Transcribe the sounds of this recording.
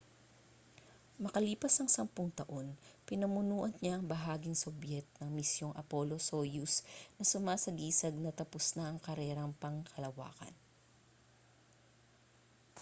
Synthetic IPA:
mɐkɐliːpɐsɐŋsɐmpʊŋt̪ɐʔo̞npɪnɐmʊnuːʔɐnɲaʔɐŋbɐɦaːɡɪŋsobjɛt̪̚nɐŋmɪsjo̞ŋʔɐ̰polosojusnɐsʊmaːsɐɡiːsɐɡ̚nɐt̪ɐpʊsnaʔɐŋkɐɾɛːɾɐŋpɐŋkʰɐlɐwa̰ːkɐ̰n

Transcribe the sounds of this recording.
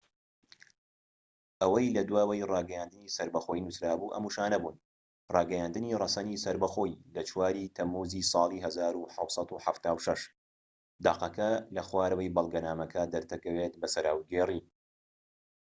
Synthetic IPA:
ʔɐwɐjlɐd̪waːwɐjrɑːɡɐjaːnd̪ɨniːsɐɾbɐxo̞ːjnusɾaːbuːʔɐ̰muʃaːnɐbuːn | rˤɑːɡɛjaːnd̪ɨnirˤɐsɐnisɐɾbɐxo̞ːjlɐt͡ʃʰwaːɾit̪ʰɐmːuːzisˤɑːlˠiːɦɐzaːɾuħɑwsˤɑt̪uħaft̪aːwʃɐʃ | d̪aːqɐkɐlɐxwaːɾwɐjbɐlˠɡɐnaːmɐkʰɐd̪ɐɾt̪ʰɐkɐwet̪̚bɐsɐɾaːwɡeːriː

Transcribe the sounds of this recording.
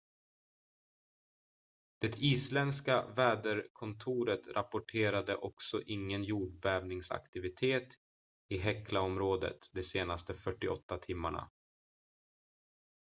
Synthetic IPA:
d̪̥ɛt̪ʰiːslɛnska̰vɛːd̪əɾkʰɔnt̪ʰuːɾət̪ɾapʊʈʰeːɾad̪əʔɔksɔʔɪŋːənjuːɖbɛːvnɪŋsa̰kt̪ɪvɪt̪ʰeːt̪ | ɪɦɛkːlaɔmɾoːd̪ə̰t̪d̪ɛseːnast̪əfœʈːɪɔ̰t̪ːat̪ʰɪmːa̰ɳa̰

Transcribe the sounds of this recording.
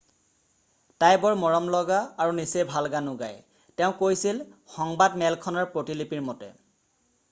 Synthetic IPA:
tajbɔɹmɔɹɔmlɔɡaːɹunisebʱalɡanʊɡa̰j | tɛʊ̃kojsilxɔŋbadmɛlkʰɔnaɹpɹotilipiɹmɔtɛ̰

